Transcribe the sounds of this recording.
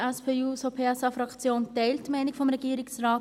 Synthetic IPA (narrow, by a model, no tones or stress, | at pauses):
ɛspʰeːuːsopʰeːɛsɑfɾɑkt͡sjoːntɛɪltːmɛɪnɪkfɔmɾɛɡ̥iːɾɪksrɑːt